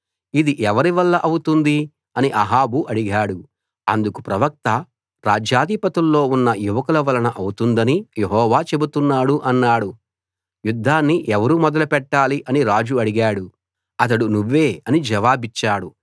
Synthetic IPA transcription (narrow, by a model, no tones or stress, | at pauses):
id̪iʔɛʋɐɾiʋɐlːɐʔɐwut̪und̪i | ɐniʔɐɦaːbuʔɐɽiɡaːɽu | ɐ̰nd̪ukupɾɐʋɐk̚t̪ɐ | ɾaːd͡ʒjaːd̪ʱipɐt̪ulːo̞ːunːɐjuʋɐkulɐʋɐlɐnɐʔɐwut̪und̪ɐnijeɦɔːʋaːt͡ʃe̞but̪unːaːɽuʔɐnːaːɽu | jud̪ʱːaːnːiʔɛʋɐɾumɔd̪ɐlupɛʈːaːliʔɐniɾaːd͡ʒuɐɽiɡaːɽu | ɐt̪̬ɐɽunuʋːe̞ːɐnid͡ʒɐʋaːbit͡ʃːaːɽu